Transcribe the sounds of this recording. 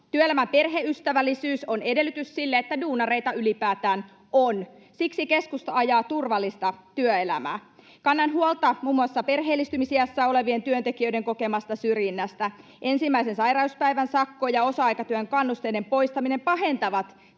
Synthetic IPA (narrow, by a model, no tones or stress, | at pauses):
t̪yøelæmæmpe̞rɦeyst̪æʋælːisyːsone̞de̞lːˑyt̪yssilːeet̪ːæduːnɑreit̪ɑylipæːt̪æːn | on | siksike̞skust̪ɑɑjɑːt̪urʋɑlːist̪ɑt̪yøe̞læ̰mæ̰ː | kɑnːɑnɦuolt̪ɑmuːmːuɑsːɑpe̞rɦeːlːist̪ymisiæsːæːo̞le̞ʋie̞nt̪yønt̪e̞kiø̞yjde̞ŋko̞ke̞mɑst̪ɑsyrjinːæst̪æ | ʔe̞nsimːæisensɑjrɑuspæjʋænsɑkːojɑo̞sɑɑjkɑt̪yøeŋkɑnːust̪eidempo̞ist̪ɑmine̞mpɑɦe̞nt̪ɑʋɑt̪